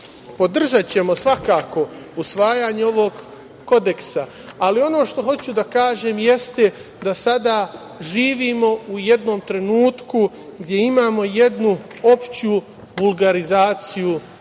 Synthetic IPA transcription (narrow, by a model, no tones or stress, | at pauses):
po̞d̪r̩ʒat͡ɕe̞mo̞sʋakaːko̞ | usʋaːjaːɲeo̞ʋoɡ | ko̞d̪e̞ksaː | lio̞no̞ːʃt̪o̞ɦo̞t͡ɕud̪akaːʒe̞ːmje̞st̪e̞ | d̪asad̪aː | ʒiːʋiːmo̞uje̞d̪no̞ːmt̪ɾe̞nuːt̪ku | ɡd̪ʲje̞imaːmo̞je̞d̪nu | o̞pt͡ɕu | bulˠɡaɾizaːt̪siju